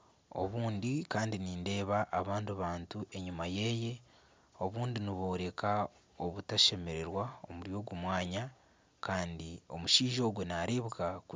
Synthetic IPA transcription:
o̞̰βuːndikaːndiniːnde̞ːβaʔːβaːndaβaːntuʔe̞ɲumaje̞ːje̞ | o̞βuːndiniβo̞ːɾe̞ka | oβutaʃe̞me̞ɾe̞ɾwaomuɾjo̞ːɡumwaːɲa | kaːndio̞̰muʃiːʒo̞ːɡwenaɾeβukaku

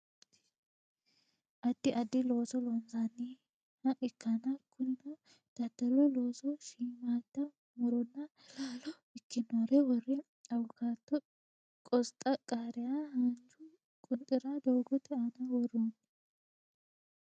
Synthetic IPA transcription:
ʔɐd̪ːɪʔɐd̪ːɪlo̞ːsɔlɔnzanːi | ɐʔɪkːɐnɐkʰːʊnːɐ | d̪̥ɐt̪ːɐɾɛloːsɔʃiːmaːd̪ːɐ | mɔɾɔnːɐ | laːlɔ | ɪkːɪnoɾɛwɔrɛ | ɐwɔkaːt̪ːɔ | kʼɔst̪ʼɐkʼaːɾɪjahɐnd͡ʒʊ | kʼʊnt̪ʼːɪɾɐd̪ɔwɡɔt̪ɛanɐwɔɾum

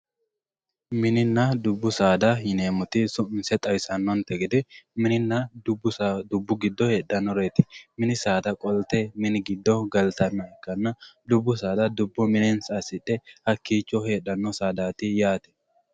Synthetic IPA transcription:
mɪnɪnːɐd̪ʊbːʊsaːd̪ɐhɪneːmʊt̪ɪsʊʔɪnsɛt̪ʼɐjsɐnːɔnt̪ɛɡɪd̪ɪmɪnɪnːɐdbʊd̪ʊbːʊɡɪd̪ːɔhe̞ːɗːɐnːɔɾeːt̪ɪ̥mɪnɪsaːd̪ɐkʼɔlt̪ɛmɪnɪɡɪd̪ːɔɡɐlt̪ɐnːɐɛkːɐnːɐd̪ʊbːʊsaːd̪ɐd̪ʊbːʊmɪnɛnsɐsɪᶑɛhɐkːiːt͡ʃːɔhe̞ːᶑːɐnːɔsaːd̪aːt̪ɪjaːt̪ɛ̥

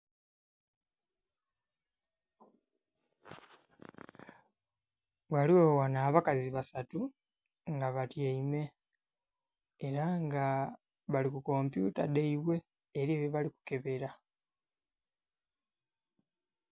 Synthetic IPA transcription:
βwaliowanaːβakaziβasatu | ŋɡaβatjeime̞ | ɾaŋɡa | βalikuko̞mpjṵtadeiβwe̞ː | ɾiːβoβaliku̥ke̞βe̞ɾa

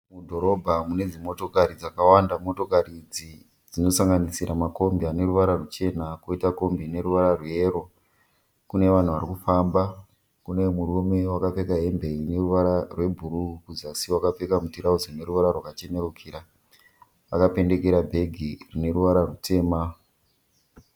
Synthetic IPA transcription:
mudʱo̞ɾo̞bʱamune̞d͡zimo̞to̞kaɾid͡zakawandamo̞to̞karid͡zi | d͡zino̞saŋɡanisiɾʔamako̞mbiane̞ɾuʋaɾarut͡ʃe̞nakoitako̞mbine̞ɾuʋaɾarwje̞ɾo̞ | kune̞ʋan̤uʋaɾikufamba | kune̞murume̞wakap͡fe̞kaɦe̞mbe̞ine̞ruʋaɾarwe̞bʱuɾukuzasiwakap͡fekamutiɾauzone̞ɾuʋaɾarwakat͡ʃe̞ne̞rukʰiɾa | ʋa̰kape̞nde̞ke̞ɾabʱe̞ɡʱirine̞ɾuʋaɾarute̞ːma

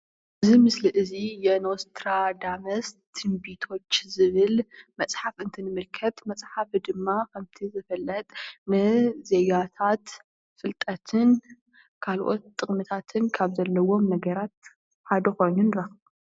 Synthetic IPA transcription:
ʔɨzimɨsliʔɨzijɛnost̪ʰɾad̪amɐst̪ʰɨmbit̪ʰo̞t͡ʃːzɨβɨlmɐt͡sʼħafɨnt̪ʰinɨmɨlkʰɐt̪mɐt͡sʼħafd̪ɨmːakʰɐmt̪ʰizɨfɐlːɐt̪ʼnɨzejat̪ʰat̪ | fɨlt̪ʼɐt̪ʰɨn | kʰalʔo̞̰t̪ʼːɨχʼmɨt̪ʰat̪ʰɨnkʰaβzɐlːɐwo̞mnɐɡɐɾat̪̚ | ħad̪ɐko̞jnunɾɐx

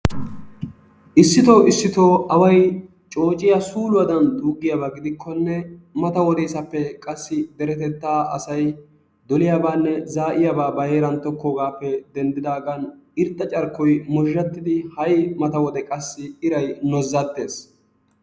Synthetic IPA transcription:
ʔɪsːɪt̪oːɪsːɪt̪o̞ːʔɐwɐj | t͡ʃʼo̞ːt͡ʃʼɪjɐsuːlʊwɐd̪ɐnd̪uːɡːɪjɐbaɡɪd̪ɪkʰːɔnːɛmɐt̪ɐwɔd̪ɛjsɐpːɛkʼɐsːɪd̪ɛɾɛt̪ɛt̪ːaːɐ̰sɐj | d̪ɔlɪjaːbaːnːɛzaːʔɪjabaːbɐjeːɾɐnt̪ɔkːoːɡaːpːɛd̪ɛnd̪ɪd̪aːɡɐnɪɾt̪ʼːɐt͡ʃʼɐɾkːɔjmɔʒːɐt̪ːɪd̪ɪhɐjmɐt̪ɐwɔd̪ɛkʼɐsːɪɪɾɐjnɔzːɐt̪ːe̞ːs

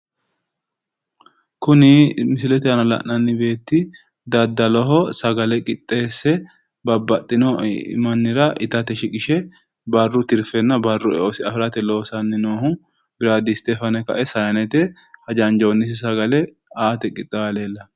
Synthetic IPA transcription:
kʊnɪmɪsɪlɛt̪ɛɐnɐlɐ̰ʔnɐnːɪbe̞ːt̪ːɪ | d̪ɐd̪ːɐlɔɦɔsɐɡɐlɛkʼɪt̪ʼːe̞ːsːɛ | bɐbːɐt̪ʼːɪnɔ̰mɐnːɪɾɐʔɪt̪ɐt̪ɛʃɪkʼɪʃɛ | bɐrːʊt̪ɪɾfɛnːɐbɐrːʊɛ̰ʔosɪɐfɪɾɐt̪ɛlo̞ːsɐnːɪnoːhʊ | bɪɾaːd̪ɪst̪ɛfɐnɛkɐ̰ʔɛsɐjɐnɛt̪ɛ | hɐd͡ʒɐnd͡ʒonːɪs̬ɪsɐɡɐlɛ | aːt̪ɛkʼɪt̪ʼːɐɐle̞ːlːɐ

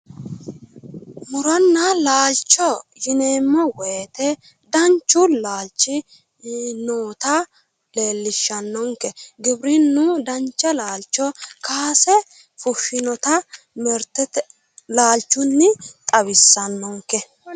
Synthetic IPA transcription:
mʊɾɔnːɐlaːlt͡ʃːɔjɪneːmːɔweːt̪ɛ | d̪ɐnt͡ʃːʊlaːlt͡ʃːɪ | noːt̪ɐ | le̞ːlːɪʃːɐnːɔŋkɛɡɪbɾɪnːʊd̪ɐnt͡ʃːɐlaːlt͡ʃːɔkʰaːsɛ | fʊʃːɪnɔt̪ɐ | mɛɾt̪ɛt̪ | laːlt͡ʃːʊnːɪt̪ʼɐβɪsːɐnːɔŋkɛ

